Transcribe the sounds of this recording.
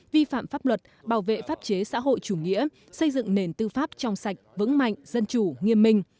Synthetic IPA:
vi˧fa̰ː˧˨mfaː˦˥p̚lwə˨˩t̚ɓaː˧˩wvḛ˧˨faː˦˥p̚t͡ɕe˨˦sa̰ː˧˥ɦo̰˧˨jt͡ɕu˧˩ŋḭ˧˥ə | sə˧jzɨ̰˧˨ŋne˨˩nt̪ɨ˧faː˦˥p̚t͡ɕɔ˧wŋ͡msa˨˩jk̟̚vɨ̰˧˥ŋma̰˧˨jŋ̟zə˧nt͡ɕu˧˩ŋi˧əmːï˧ŋ̟

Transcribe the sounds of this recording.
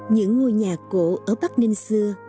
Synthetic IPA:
ɲɨ̰˧˥ŋːo˧jɲaː˨˩ko̰˧˥ʔəː˧˩ɓa˦˥k̚ni˧ŋsɨ˧ə

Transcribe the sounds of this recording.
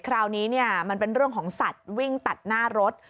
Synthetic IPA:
kʰɾaː˧wniː˦˥ni˥˩ɐma˧npe˧nɾɯ˥˩əŋkʰɔː˩˦ŋsa˨˩t̪̚wi˥˩ŋt̪a˨˩t̪̚naː˥˩ɾo˦˥t̪̚

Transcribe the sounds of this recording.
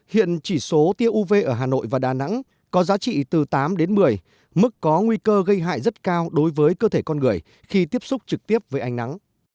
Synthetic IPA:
hḭ˧˨ənt͡ɕi˧˩so˨˦t̪i˧əʔu˧ve˧ʔəː˧˩ɦaː˨˩no̰˧˨jvaː˨˩ɗaː˨˩na̰˧˥ŋ | kɔ˨˦zaː˨˦t͡ɕḭ˧˨t̪ɨ˨˩t̪aː˨˦mɗe˨˦nmɨ˨˩əj | mɨ˦˥k̚ːɔ˨˦ŋwi˧kəː˧ɣə˧jɦa̰ː˧˨jzə˦˥t̚kaː˧wɗo˨˦jvəː˨˦jkəː˧t̪ʰe˧˩kɔ˧nŋɨ˨˩əj | xi˧t̪i˦˥əp̚sʊ˦˥k͡p̚t͡ɕɨ˨˩k̚t̪i˦˥əp̚vəː˨˦jʔa˧ŋna˨˦ŋ

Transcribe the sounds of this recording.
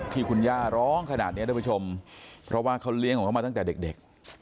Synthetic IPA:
t̪ʰiː˧˩kʰu˧njaː˥˩ɾɔː˦˥ŋkʰnaː˨˩t̪̚ni˦˥ɾpa˦˥t͡ɕʰo˧mpʰɾʔɔ˦˥waː˥˩kʰa˦˥wli˦˥˩ŋʰɔ˨˦ŋʰa˦˥maː˧a˥˩ŋt̪ɛː˨˩de˨˩k̚de˨˩k̚

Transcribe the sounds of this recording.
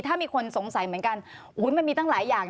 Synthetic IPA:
t̪ʰaː˥˩miː˧kʰo˧nso˩˦ŋsa˨˦jmɯ˩˦ənka˧n | ʔuː˨˦˥nma˧nmiː˧t̪a˥˩laː˩˦jːaː˨˩ŋ

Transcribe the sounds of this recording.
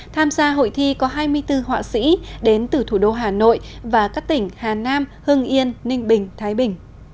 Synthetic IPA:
t̪ʰaː˧mzaː˧ɦo̰˧˨jt̪ʰi˧kɔ˨˦ɦaː˧jmɨ˧əjt̪ɨ˧ɦwa̰ː˧˨sḭ˧˥ɗe˨˦nt̪ɨ˨˩t̪ʰu˧˩ɗo˧ɦaː˨˩no̰˧˨jvaː˨˩kaː˦˥k̚t̪ï˧˩ŋ̟haː˨˩naː˧mhɨ˧əŋʔi˧ənːï˧ŋ̟ɓï˨˩ŋ̟t̪ʰaː˨˦jɓï˨˩ŋ̟

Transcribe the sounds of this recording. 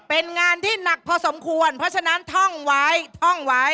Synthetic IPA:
pe˧nŋaː˧nt̪ʰiː˥˩na˨˩k̚pʰɔː˧so˩˦mkʰu˧ənpʰɾɔ˦˥t͡ɕʰa˧na˦˥nt̪ʰɔ˥˩ŋwa˦˥jt̪ʰɔ˥˩ŋwa˦˥j

